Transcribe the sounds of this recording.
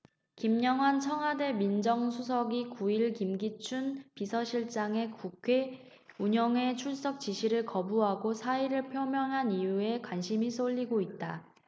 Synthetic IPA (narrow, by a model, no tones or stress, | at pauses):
kimɲʌŋɦwant͡ɕʰʌŋwade̞mind͡ʑʌŋsʰus̬ʰʌɡikuiɭkimɡit͡ɕʰunpisʰʌɕʰiɭt͡ɕ͈aŋe̞kukʰwe̞ | uɲʌŋe̞t͡ɕʰuɭs͈ʌk̚t͡ɕ͈iɕʰiɾɯɭkʌbuɦaɡosʰaiɾɯɭpʰjomjʌŋɦanijue̞kwanɕʰimis͈ʰoʎːiɡoit̚t͈a